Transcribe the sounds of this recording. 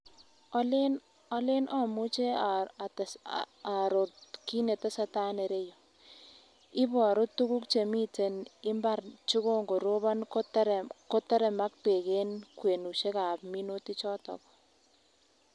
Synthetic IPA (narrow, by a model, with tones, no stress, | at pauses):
ln | ɔ˦le˦nʔɔ˦˨mu˦t͡ʃe˦˨ | a˨ɾo˨tki˦ne˨te˦sa˦ta˦ne˨ɾe˦jɔ˨ | ɪ˦bɔ˨a˨ɾo˦tːu˦ku˦kt͡ʃe˨mi˦te˨nɪ˦mba˦ɾt͡ʃu˦ko˦ŋɡo˨ɾo˦βa˦nko˦tɾko˦ta˦ɾɛ˨ma˦k̚pe˨ke˦nkwe˨nu˨ʃe˦ka˨pmi˦no˦ti˦t͡ʃɔ˦tɔ̰˨kɔ̥˨